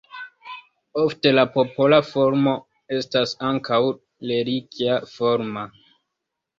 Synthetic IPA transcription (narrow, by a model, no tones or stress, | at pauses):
ofte̞lapo̞po̞lafo̞ɾmo̞ | e̞stasaŋkʰaw | leɾikjafo̞ɾma